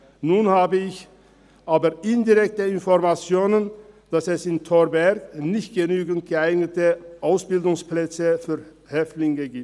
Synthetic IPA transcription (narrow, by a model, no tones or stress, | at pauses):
nuːnhaːbəɪç | ʔaːbɐɪndiʁɛk̚təɪnfɔʁmat͡sjoːnənd̥asɛsɪntʰɔbɛɐknɪçt̚ɡ̥ənyːɡn̩t̚ɡ̥əaɪɡnətəʔaʊsb̥ɪldʊŋsplɛt͡səfyːɐ | hɛftlɪŋəɡiːp̚t